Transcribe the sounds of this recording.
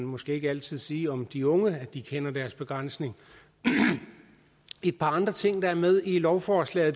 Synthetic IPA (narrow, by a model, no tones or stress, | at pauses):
nmɒ̽sɡ̥e̝̰ːe̝ɡ̥ælt͡sʰið̞̰ˠsiːɒ̽md̥iɔ̽ŋəæd̥ikʰenɐd̥æɐsb̥e̝ɡ̥ʁan̰sne̝ŋ | e̝d̥̚pʰɑ̈ɑ̈nd̥ʁɐt͡sʰe̝ŋ̰d̥ɑ̈æɐmeð̞ˠilɒʊfɒːslɛ̰ːð̩ˠ